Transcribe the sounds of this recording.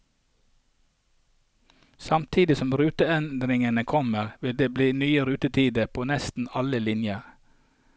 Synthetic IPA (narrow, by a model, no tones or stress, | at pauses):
sɑmt̪ʰiːd̪ɪsɔmɾʉːt̪əɛnd̪ɾɪŋənəkʰɔməʁʋɪld̪eːbliːnyːəɾʉːt̪ət̪ʰiːd̪əpʰoːnɛst̪n̩ɑləlɪnjəʁ